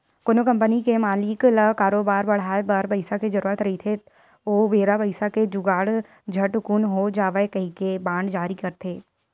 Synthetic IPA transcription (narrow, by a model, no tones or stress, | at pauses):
konokɐ̃mpənikemaːlɪkləkaːɾoːbaːɾbɐɽ̤aːebɐɾpɐɪsaked͡ʒɐɾuːɾət̪ɾɐɦit̪ʰe | oːʋeːɾapɐɪsaked͡ʒʊɡaːɽ | d͡ʒʱɐʈʊkunɦod͡ʒaːʋəekɐɦikebãːɳɖd͡ʒaːɾikɐɾt̪ʰeː